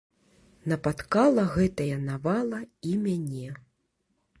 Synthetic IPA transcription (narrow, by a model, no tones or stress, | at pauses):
nɐpat̪kalˠɐɣɛt̪ɐjɐnavalˠɐimʲanʲɛ